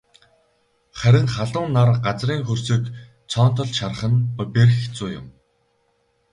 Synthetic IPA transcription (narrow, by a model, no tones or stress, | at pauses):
χæɾʲɪ̆ŋχaɮʊːnːarɢat͡sriːŋxɵrsɵ̆k | t͡sʰɔːnt̪ɞ̆ɮʃar̆χə̆npɔperxt͡suːjʊ̰m